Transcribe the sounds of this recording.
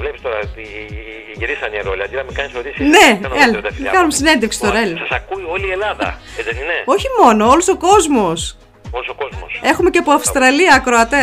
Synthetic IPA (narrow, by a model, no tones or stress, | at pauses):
vlepist̪oɾɐt̪i | ʝiɾisɐneɾolʲiɐd̪inɐmekɐnisoɾisineɐnelt̪ɐfikɐnumesine̞nd̪efksi̥t̪oɾɐelosɐsɐkuio̞lie̞lɐðɐ̰ | ezenineo̞çimo̞no̞olosoko̞zmo̞s | olosokozmose̞xumeceɐpoɐfst̪ɾɐliɐːkɾoɐt̪e